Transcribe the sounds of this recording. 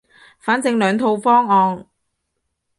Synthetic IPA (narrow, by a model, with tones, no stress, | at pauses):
faː˨˥nt͡sɪ˧ŋlœː˨˧ŋt̪ʰo˧wfɔː˥ŋɔː˧ŋ